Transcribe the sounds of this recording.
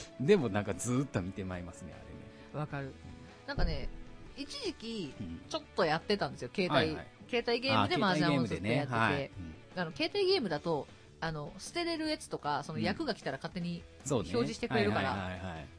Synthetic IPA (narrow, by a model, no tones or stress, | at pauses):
d̪e̞mo̞nãŋkad͡zɨːt̪ːo̞mʲit̪e̞maimasɨne̞̰a̰ɾḛnḛ | βakaɾɯ̟ | nãŋkane̞it͡ɕiʑikʲit͡ɕo̞t̪ːo̞jat̪ːe̞t̪ãnd̪e̞sɨjo̞ke̞ːt̪aike̞ːt̪aiɡe̞ːmɯd̪e̞mazãseejatee̞ | ano̞ke̞ːt̪aiɡe̞ːmɯ̟d̪at̪o̞ | ano̞sɨ̥t̪e̞ɾe̞ɾɯ̟jet͡sɨ̥t̪o̞kaso̞no̞jakɯ̟ɡakʲi̥t̪aɾakat̪ːe̞ɲ̟i | soːço̞ːʑiɕit̪eɯ̟ɾe̞ɾɯkaɾa̰aai